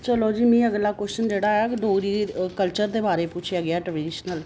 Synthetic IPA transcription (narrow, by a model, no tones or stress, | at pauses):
t͡ʃəloːd͡ʒiːmĩːəɡlaːkɛst͡ʃənd͡ʒeːɽaːjaːkɪd̪oːɾiːkəlt͡ʃəɾd̪eːbaːɾeːpʊt͡ʃʰijaːɡɪjaːʈɾeɖɖɪːʃnəl